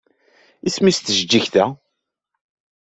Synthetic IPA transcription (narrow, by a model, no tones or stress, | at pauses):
ismist̪əʒd͡ʒːiçθæ